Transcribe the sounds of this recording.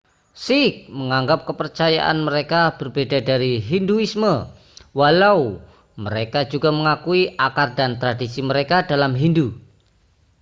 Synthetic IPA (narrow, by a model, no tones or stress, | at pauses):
sik̚məŋaŋɡap̚kəpərt͡ʃaja̰ʔa̰nməɾekab̥ərbedadaɾiɦinduismə | walau | məɾekad͡ʒuɡaməŋakuiʔakardant̪ɾadisiməɾekadalamɦindu